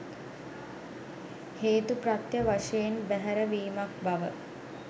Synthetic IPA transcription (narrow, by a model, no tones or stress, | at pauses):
heːt̪uprat̪jəʋaʂejenbæɦæɾəʋiːmak̚baʋə